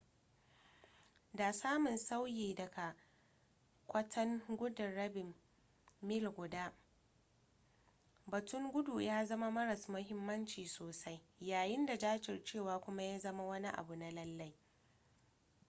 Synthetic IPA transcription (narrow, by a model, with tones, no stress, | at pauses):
da˨saː˦mʊ˨nsa˦wjiː˨dɐ˨ɡa˨ | kʷɐ˦tʰɐ˦ŋɡʷʊ˦dɪ˨ɽɐ˦bɪ˨mː | ɪ˦lɡʷʊ˨daː˦ | bɐ˨tʊ˦ŋɡʷʊ˦du˨jaː˦zɐ˦ma˦mɐ˦ɾɐ˨smʊ˦ɦɪ˦mːɐ˦nt͡ʃiː˨soː˨sa˦jjaː˨jɪ˦nda˨d͡ʒaː˦t͡ʃɪ˨rt͡ʃeː˦˨waː˨˦kʷʊ˦ma˦jaː˦zɐ˦ma˦wɐ˦ni˦ʔa̰˨bu˨na˦lɐ˦lːa˦j